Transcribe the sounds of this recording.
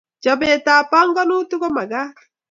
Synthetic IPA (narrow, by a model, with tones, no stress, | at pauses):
d͡ʒɔ˨be˨ta˨pa˦ŋɡɔ˦nu˦tu˦ɡo˦ma˨ɡa˦